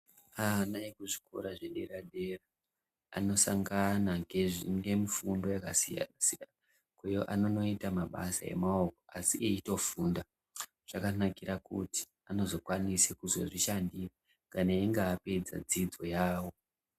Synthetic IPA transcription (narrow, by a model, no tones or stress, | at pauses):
anajekuʐi̥ko̰ɾaʐeɗeraɗe̞ra | a̰no̞saŋɡanaŋɡe̞ʐiŋɡe̞mifundo̞jakasija̰nasijana | kwejoʔano̞no̞itamaɓa̰sa̰je̞̰maoko̞asiʔeito̞funda | ʐ̥akanakiɾakṵti̥ | ano̞zo̞kwanisekuzo̞̰ʐiʃandira | kanaeŋɡeːpe̞d͡za̰d͡zid͡zo̞jaːwo̞